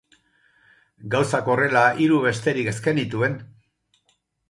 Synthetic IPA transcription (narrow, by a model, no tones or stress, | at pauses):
ɡawsako̞re̞laʔiɾuβ̞e̞st̪e̞ɾike̞ske̞nit̪ue̞n